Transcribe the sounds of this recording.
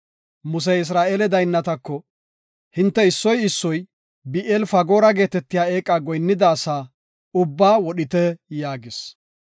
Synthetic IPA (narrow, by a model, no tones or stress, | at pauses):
mʊs̬ɛɪs̬ɾaːʔeːlɛd̪ɐjnːɐt̪ɐkːɔ | hɪnt̪ːɛɪsːɔjɪsːɔj | bɪʔɛlfɐɡo̞ːɾɐɡe̞ːt̪ɛt̪ːɪjaːe̞ːkʼːaːɡɔjnːɪd̪aːsaː | ʊbːaːwɔɗɪt̪ɛjaːɡɪs